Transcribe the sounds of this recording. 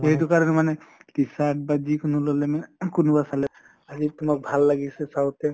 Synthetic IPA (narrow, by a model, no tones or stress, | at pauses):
eɦit̬ukaɹɔnɛmanɛlisaʈ̚bad͡ʒikunulolɛmankunubasalɛ | azit̪umak̚bʱalːaɡisɛsawtɛ